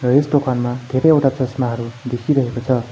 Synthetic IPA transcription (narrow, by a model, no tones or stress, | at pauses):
rʌesʈ̪okʰanmad̪ʱeɾʌjʌwʈapʌsmaɦʌɾud̪ekʰiɾʌɦekot͡sʰʌ